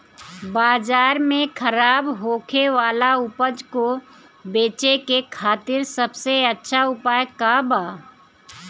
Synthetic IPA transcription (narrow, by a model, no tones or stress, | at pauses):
baːd͡ʒaːɾmẽkʰəɾaːbɦoːkʰeʋaːlaʊpəd͡ʒko | beːt͡ʃekekʰaːt̪ɪɾsəbseɐtːʃʰaʊpaːjkabaː